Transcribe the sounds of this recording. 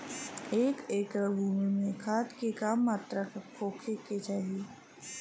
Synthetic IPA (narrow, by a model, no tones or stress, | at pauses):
eːkeːkɾəbʱuːmimẽkʰaːt̪kekaːmːaːt̪ɾakʰoːkʰeket͡ʃaːɦi